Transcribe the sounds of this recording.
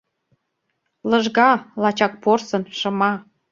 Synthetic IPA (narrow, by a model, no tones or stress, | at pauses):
lɤʒɣɑlɑt͡ɕɑk̚porsɤ̆nʃɤ̆mɑ